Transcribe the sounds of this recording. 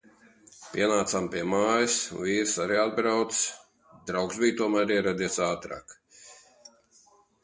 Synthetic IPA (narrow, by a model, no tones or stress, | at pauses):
pʲiɛnaːt̪sampiɛmaːjisnviːɾsaɾiad̪̚bɾawt̪s | d̪ɾawksbijt̪uɔmæːɾiɛɾad̪iɛsaːt̪ɾa̰ːk